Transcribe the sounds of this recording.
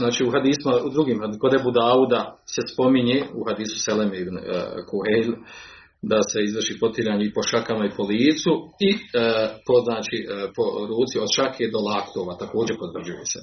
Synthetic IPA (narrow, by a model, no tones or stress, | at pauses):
naːt͡ʃiːuɦad̪iːsimaud̪ɾuɡiːmhakod̪ebud̪aːud̪ase̞spo̞miɲeuhad̪iːsu̥selemeibn̰kʰuhejl | d̪ase̞izʋr̩ʃiːpo̞t̪iɾaːɲeipo̞ʃakamaipo̞liːt̪sui | po̞znaːt͡ʃipoɾuːt̪siod̪ʃakʰed̪o̞lakt̪oʋat̪ako̞ːd͡ʑepo̞t̪ʋr̩ʒujese